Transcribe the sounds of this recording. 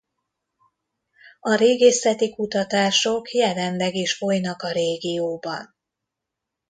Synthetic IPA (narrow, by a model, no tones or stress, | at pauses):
ɒɾeːɡesɛt̪ikut̪ɒt̪aːʃo̞kjɛlɛnlɛɡeːʃfo̞jnɒkɒɾeːɡijoːbɒn